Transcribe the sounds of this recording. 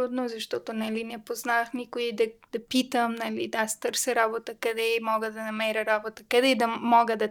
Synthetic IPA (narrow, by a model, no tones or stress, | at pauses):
ud̪nozɐʃt̪ɔt̪onɐlinɛpoznaxnikoid̪ɐd̪̥ɐpit̪əmnɐlid̪ast̪əɾsəɾabot̪əkɐd̪ɛimɔɡəd̪ɐnɐmɛɾəɾabot̪əkɐd̪ɛd̪ɐmɔɡəd̪ɐ